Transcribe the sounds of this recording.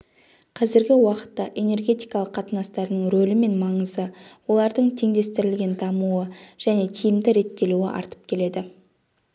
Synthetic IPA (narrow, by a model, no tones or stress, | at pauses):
qʰɑzɪɾɡʲɪwɑqə̥t̪ːɑʔe̞ne̞rɡʲe̞t̪ijkɑlˠəqʰːɑt̪ənɑst̪ɑɾnəɴɾolɪme̞nmɑɴəzəwo̞lˠɑɾd̪əɴt̪ʰe̞ŋd̪e̞st̪ɪɾɪlɡʲe̞nd̪ɑmuəʒ̥æne̞t̪ʰijɪmd̪ɪɾe̞t̪ːe̞luɪ̰ʔɑ̰ɾt̪ə̥p̚kʲʰe̞le̞d̪ɪ